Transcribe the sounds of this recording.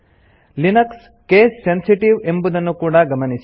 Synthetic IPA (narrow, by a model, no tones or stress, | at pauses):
linɐks | keːsːensiʈiʋe̞mbud̪ɐnːukuːɽaɡɐmɐnis